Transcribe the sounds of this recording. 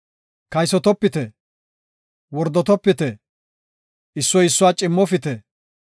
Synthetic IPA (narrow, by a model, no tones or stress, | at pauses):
kɐjsɔt̪ɔpːɪt̪ɛ | wɔɾd̪ɔt̪ɔpːɪt̪ɛ | ɪsːɔjɪsːʊwat͡ʃʼɪmːɔfɪt̪ɛ